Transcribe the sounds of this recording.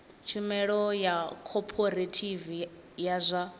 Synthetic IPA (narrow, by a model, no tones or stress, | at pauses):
t͡ʃʰimɛɺɔjakʰɔpʰoɾatʰivi | jazʷa